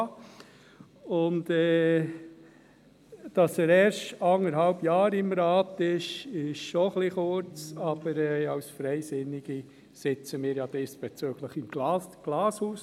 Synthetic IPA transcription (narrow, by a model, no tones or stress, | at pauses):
ʊntɛː | d̥ɑsɛɾɛːɾʃtɑŋəɾhɑlbjɑːɾɪmɾɑːtɪʃɪʃʃɔχliχʊɾt͡sɑb̥əɾɛɑʊsfɾɛɪsɪnɪɡ̥i | sɪt͡səmiːɾjɑd̥ɪsb̥ɛt͡søːɡ̥ləχɪmɡ̥lɑsɡ̥lɑːshuːs